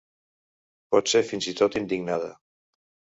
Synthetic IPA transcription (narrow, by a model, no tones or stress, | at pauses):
pɔt̪seɾfinzit̪ot̪ind̪iɡnaðə̰